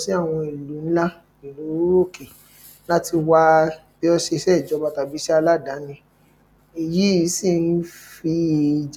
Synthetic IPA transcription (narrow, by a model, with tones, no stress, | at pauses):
si˦a˦˨w̃ɔ̃˧i˨lu˨˦n̩˦la˦ | i˨ɾu˨˦ɾo˦˨ke˨ | la˦ti˧wa˦b̥i˦ɔ˧ʃe˧ʃɛ˦˨d͡ʒɔ˨˦ba˦ta˧bi˨˦ʃɛ˦a˧la˦˨da˨˦nĩ˧ | i˨ji˨˦ji˨˦si˦˨n̩˦fi˧˨d͡ʒ